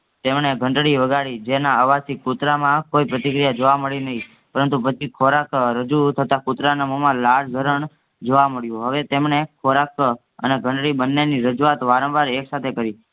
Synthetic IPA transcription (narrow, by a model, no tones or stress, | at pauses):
t̪emɳeɡʱə̃ɳɖɽiʋəɡaɭid͡ʒenaəʋasikut̪ɾamãkoipɾət̪ikɾijad͡ʒoʋaməɭinəɦĩ | pəɾənt̪upət͡ʃʰikʰoɾakɾəd͡ʒut̪ʰət̪akut̪ɾanəmomãlaɽd͡ʒʱəɾəɳ | d͡ʒoʋaməɭjũɦəʋet̪emɳekʰoɾak | ə̰neɡʱə̃ɳɖɽibənːeniɾəd͡ʒuʋat̪ʋaɾə̃ʋaɾeksat̪ʰekəɾi